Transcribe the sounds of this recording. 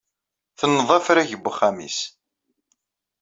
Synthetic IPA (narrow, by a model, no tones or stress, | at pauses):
θənːðˤɑfɾæʝəbʷːχːæmḭs